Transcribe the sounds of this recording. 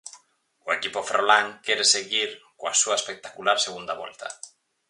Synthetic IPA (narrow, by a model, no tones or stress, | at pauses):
oekipʊfɾolaŋkɛɾeseɣiɾkoasuɐespek̚t̪akulaɾseɣ̞und̪aβɔ̰lt̪ʰɐ̰